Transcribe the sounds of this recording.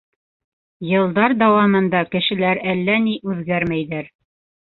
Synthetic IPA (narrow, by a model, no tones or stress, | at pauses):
jɤ̆lˠd̪ɑɾd̪æwɑmɤ̆nd̪ɑkɘ̆ʃɘ̆læɾælːæniʔʉðɡæɾmæjðæɾ